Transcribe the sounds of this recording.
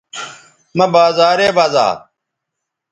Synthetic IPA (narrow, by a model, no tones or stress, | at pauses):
mɐbaːzaːɾeːbaːza̰ː